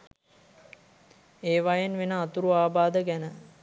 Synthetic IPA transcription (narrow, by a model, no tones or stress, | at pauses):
eːʋajenʋenəːt̪uɾuaːbaːd̪əɡænə